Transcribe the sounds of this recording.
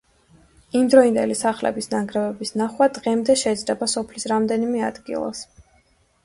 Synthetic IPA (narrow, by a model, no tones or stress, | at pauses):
imd̪ɾɔind̪ɛlisaχlɛ̰bisnaɡɾɛvɛbisnaχwad̪ʁɛmd̪ɛʃɛd̪zd̪ɛbasɔpʰlisɾamd̪ɛnimɛa̰d̪ɡḭlˠa̰s